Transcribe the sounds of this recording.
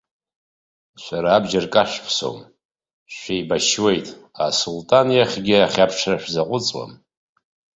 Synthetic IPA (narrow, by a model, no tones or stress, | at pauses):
ʃʷaɾaːbd͡ʒarkʼaʃʷᶣpʰso̰m | ʃʷᶣejbaʃwe̞jtʼa̰sultʼanjaχʲɡʲɪaχʲapʰʈ͡ʂʰraʃᶣzaqʷʼʊt͡sʼwa̰m